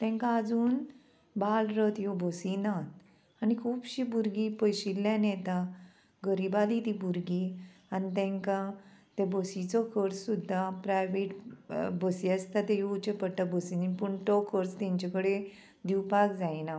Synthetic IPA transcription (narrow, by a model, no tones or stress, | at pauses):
t̪ɛ̃ŋkaːd͡zuːn | balɾət̪jɔbʱosinat̪ | anikʰuːbɕibʱuɾɡipəjɕilːãnɛt̪a | ɡəɾibalit̪ibʱuɾɡianit̪̬ɛ̃ŋkãt̪ebosit͡sɔkʰəɾt͡ssud̪ʱːapɾajʋeʈbəsiəst̪at̪ejout͡ɕəpəɽʈ̪abʱosininpuɳʈɔkʰəɾt͡st̪ãɲt͡ɕakəɽe | d̪iwpakd͡zajina